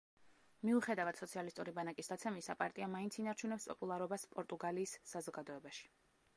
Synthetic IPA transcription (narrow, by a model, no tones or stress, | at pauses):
miuχɛd̪avad̪sɔt̪sʰialist̪ʼuɾibanakʼisd̪at̪sʰɛmisa̰pʼa̰ɾt̪ʼiamaint̪sʰinaɾt͡ʃʰunɛpspʼɔ̰pʼulˠaɾɔbaspʼɔɾt̪ʼuɡaliːsːazɔɡad̪ɔɛbaʃi̥